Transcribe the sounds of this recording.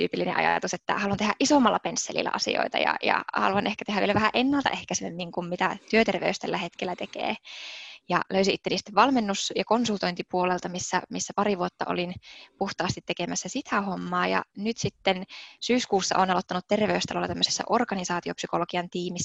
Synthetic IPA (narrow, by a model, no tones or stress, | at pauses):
t̪y̰ːpilːinḛʔɑ̰jɑ̰jɑ̰t̪uset̪ːæ̰hɑluɑnt̪ehæʔisomːɑlːɑpensːelḭlːæ̰ʔɑsḭo̰it̪ɑ̰jɑ̰jɑ̰hɑ̰luɑnʔehkæt̪ehɦæʋielæʋæhæʔenːælt̪ɑ̰ʔehkæsememːiŋkummit̪æt̪yøt̪erʋḛyst̪ælːæhet̪kelːæt̪ekḛː | jɑ̰løysiʔit̪ːeniːst̪eʋʋɑlmenːusjɑkonsult̪oint̪ipuolelt̪ɑmisːæmisːæpɑɾiʋuot̪ːɑ̰ʔo̰linpuht̪ɑːst̪it̪ːekemæsːæsit̪ʰæhomːɑːjɑ̰nyt̪sit̪ːensyːskuːsːɑ̰ʔoːnɑlot̪ːɑnut̪t̪erʋeyst̪ɑlolɑt̪æmːøsesːɑ̰ʔorkɑnisɑːt̪iopsyko̞lokiɑnt̪iːmisː